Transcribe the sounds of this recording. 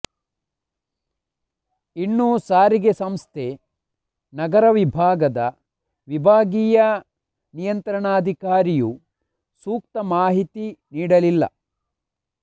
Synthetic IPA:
inːuːsaːɾiɡesɐmst̪ʰe̞ | nɐɡɐɾɐʋibʱaːɡɐd̪ɐ̰ | ʋibʱaːɡiːjɐ | nijɐnt̪ɾɐɳaːd̪ʱikaːɾiju | suːk̚t̪ɐmaːɦit̪iniːɽɐlilːɐ̰

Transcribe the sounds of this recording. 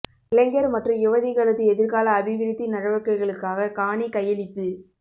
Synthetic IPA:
ɪlɛŋɡɐɾmɐʈrɐjɪʋɐðɪɣɐɭɐðɯɛðɪɾɣaːlɐːbɪʋɪɾɪt̪ːinɐɽɐʋɐkːɐɪɣɐɭɯkːaːɣɐkaːɳikɐjɐlɪpːɯ

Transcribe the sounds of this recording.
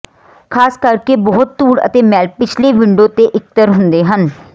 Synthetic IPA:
kʰaːskəɾkeːbɔːʊt̪ːuːɽə̰t̪eːmɛːlpɪt͡ʃʰleːʋɪ̃ɳɖõːt̪eːʔɪk̚t̪əɾɦʊnd̪eːɦən

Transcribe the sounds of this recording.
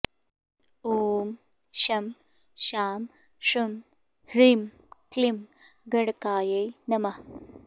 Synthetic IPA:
oːm | ɕɐm | ɕaːm | ʂum | ɾim | klim | ɡɐɽkaːjɐjnɐmɐ

